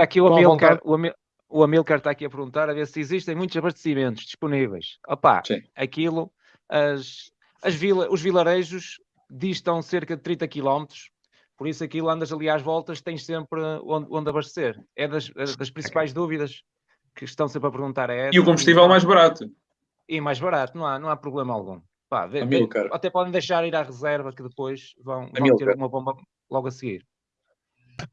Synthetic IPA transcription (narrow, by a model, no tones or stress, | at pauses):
akiuɐmilˠkaɾuɐmi | uɐmilˠkaɾt̪aɐkiɐpɨɾɣũnt̪aɾɐveɾsiziʃt̪ẽj̃mũt̪uzɐβɐʃt̪simẽnt̪uʒ̥ðiʃpunivḛjʃɔpa̰siɐkilˠu | ɐʃ | ɐʒvilˠɐuʒvilˠɐɾejʒuʃ | ðiʃt̪ɐ̃w̃seɾkɐðɨt̪ɾĩnt̪ɐkilˠɔmt̪ɾu̥ʃ | pɔɾisuɐkilˠuɐ̃nd̪ɐzɐlˠiaʒvɔlˠt̪ɐʃt̪ɐ̃j̃ʃsẽmpɾõ̰nd̪õnd̪ɐβɐʃt̪seɾɛðɐʃðɐʃpɾĩsipajʒðuviðɐʃ | kɨʃt̪ɐ̃w̃sẽmpɾɐpɨɾɣũnt̪aɾɛiukõmbuʃtt̪ivɛlˠmajʒβɐɾat̪u | imajʒβɐɾat̪unɐ̃w̃anɐ̃w̃apɾuβlˠemɐa̰lˠɣṵ̃ | pa̰ðemilˠkɐɐt̪ɛpɔðẽj̃d̪ejʃaɾiɾaʁɨzɛɾvɐkɨðɨpojʃvɐ̃w̃vɐ̃mit̪eɐumɐβõmbɐ | lˠɔɣɐsɨɣḭɾ